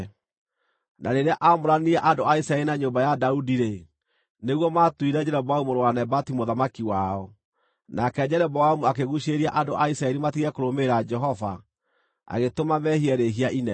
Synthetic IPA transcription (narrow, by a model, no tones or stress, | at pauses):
nʔaɾeɾeaʔamoɾaniɛʔandoaisɾaɛɾinaɲoːmbajadaudiɾe | neɣwɔmatwiɾɛd͡ʑɛɾɛbɔaumoɾowanɛbatimoðamakiwaɔ | nakɛd͡ʑɛɾɛbɔamuakeɣuɕeɾiaʔandoʔaisaɛɾimatiɣɛkoɾomeɾad͡ʒɛɦɔva | a̰ɣetomamɛhiɛɾeɦiaʔinɛ